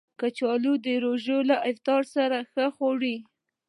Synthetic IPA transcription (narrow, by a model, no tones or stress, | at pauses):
kət͡ʃɑlud̪əɾoʒolaʔajft̪ɑɾsaɾaxəxoɽi